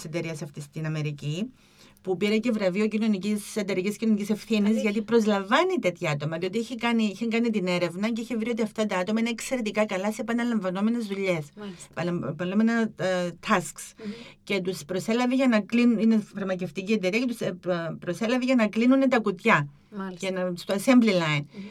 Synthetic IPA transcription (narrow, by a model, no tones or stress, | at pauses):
se̞t̪e̞ɾiɐsɐft̪ist̪inɐme̞ɾici | pupiɾɐce̞vɾɐvio̞cino̞nicise̞t̪e̞ɾiciscino̞nicise̞fθinizʝɐt̪ipɾo̞zlɐɱvɐnit̪e̞t̪çɐɐt̪omɐðio̞t̪iiçikɐniiçeŋɡɐnit̪ine̞ɾe̞vnɐceiçevɾio̞t̪iɐft̪ɐt̪ɐɐt̪o̞mɐineekse̞ɾe̞t̪ikɐkɐlɐse̞epɐnɐlɐɱvɐno̞me̞ne̞zðuʎe̞spɐpɐlomenɐt̪ʰɐsksce̞t̪uspɾo̞se̞lɐveʝɐnɐklinuinefɐɾmɐce̞ft̪icie̞t̪eɾiɐcet̪uspɾo̞se̞lɐveʝɐnɐklinunet̪ɐkut̪çɐ | ʝɐnɐst̪osemblilɐin